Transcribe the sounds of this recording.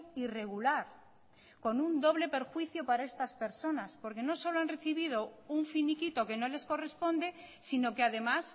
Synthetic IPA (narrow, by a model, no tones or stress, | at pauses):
ire̞ɣulaɾ | ko̞nund̪o̞βle̞pe̞ɾxwiθjopaɾae̞st̪aspe̞ɾso̞naspo̞ɾke̞no̞so̞loanre̞θiβ̞ið̞o̞uɱfinikit̪oke̞no̞le̞sko̞re̞spõ̞nd̪e̞sino̞keaðe̞mas